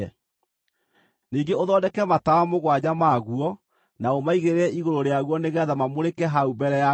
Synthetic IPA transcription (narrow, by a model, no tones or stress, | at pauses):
ɛ | niːŋɡeoðɔːdɛkɛmatawamoɣwaɲamaɣuɔ | naomaiɣeɾeɛʔiɣoɾoɾeaɣuwɔneɣɛðamamoɾekɛɦaubɛɾɛja